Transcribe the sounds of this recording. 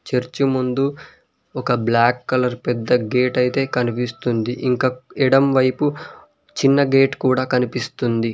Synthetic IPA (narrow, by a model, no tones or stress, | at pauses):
t͡ʃeɾt͡ʃimund̪u | ɔkɐblaːkːɐlɐɾpɛd̪ːɐɡe̞ːʈɐjit̪e̞ːkɐnipist̪und̪iʔiŋkaːɛɽɐmʋɐjpu | t͡ʃinːɐɡe̞ːʈkuːɽaːkɐnipist̪und̪i